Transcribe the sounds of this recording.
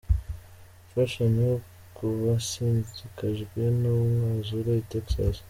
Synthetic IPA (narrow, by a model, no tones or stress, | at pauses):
faʃaɲ | kuβasinzikʰaʒɡwenumŋazuɾaiteksa̰s